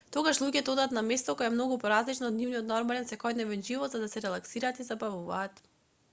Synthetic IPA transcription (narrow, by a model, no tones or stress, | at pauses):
t̪oɡaʃlˠuɟɛt̪ɔɔd̪at̪namɛst̪ɔkɔjɛɛmnɔɡupɔɾazlit͡ʃnaːd̪nivniɔt̪nɔɾmalɛnsɛkɔjd̪nɛvɛnʒivɔt̪zad̪asɛɾɛlˠaksiɾaːt̪izabavuvaːt̪